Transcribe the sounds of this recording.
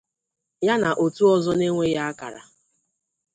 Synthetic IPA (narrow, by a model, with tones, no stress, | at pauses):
ja˦na˨ʔo˨tu˦ɔ˦zɔ˦ne˦ŋʷe˦ja˦a˦ka̰˨ɾa̰˨